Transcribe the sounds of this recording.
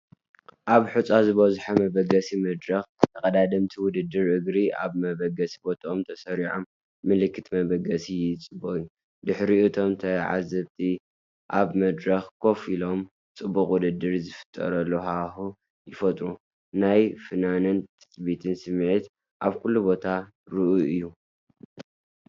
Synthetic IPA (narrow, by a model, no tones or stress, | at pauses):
ʔaβħut͡sʼazɨβɐzħamɐbɐɡɐsimɐd̪ɾɐxt̪ʰɐkʼɐd̪ad̪ɐmt̪ʰiwʊd̪ɨd̪ːɨɾʔɨɡɾia̰βmɐβɐɡɐsi̥bo̞t̪ʼʔomt̪ʰɐsɐɾiʕomː | ɨlɨkʰːɨt̪mɐβɐɡɐsijɪt͡sʼɨboju | d̪ɨħɾiɨt̪ʰo̞mt̪ʰɐʕa̰zɐβt̪ʰi | ʔaβmɐd̪ɾɐxkʰo̞filo̞m | t͡sʼɨbːukʼwʊd̪ɨd̪ːɨɾzɨfɨ̥t̪ʼːɐ̰ɾɐlːohahu | jɪfɐt̪ʼɾu | najfɨnanɐnt̪ʰɨ̥sbit̪ʰɨnsɨmːʕit̪ | ʔaβkʰulːubo̞t̪ʰa | ɾɨʔuʔɨjːu